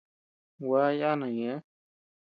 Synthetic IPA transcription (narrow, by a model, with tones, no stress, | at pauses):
wa˦ja˦nã˨jẽ˨˦